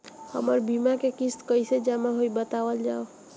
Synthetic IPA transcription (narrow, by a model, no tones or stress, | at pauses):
hə̰məɾbimakekist̪kəjsed͡ʒamaɦojbət̪awəld͡ʒao